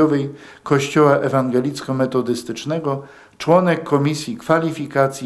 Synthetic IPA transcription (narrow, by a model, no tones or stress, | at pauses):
ɔvɛj | kɔɕt͡ɕɔwaʔɛvaŋɡɛlʲit̪skɔmɛt̪ɔd̪ɘst̪ɘt͡ʂnɛɡɔ | t͡ʂwɔnɛkʰːɔmʲisʲjikfalʲifʲikat̪sʲji